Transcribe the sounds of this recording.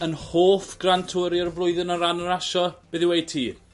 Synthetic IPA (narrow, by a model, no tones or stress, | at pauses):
ənhoːθɡ̥rantʰʊːɾjɔrvlˠʊɨðɪnəɾanəɾaʃɔb̥ɪðɪwejtʰiː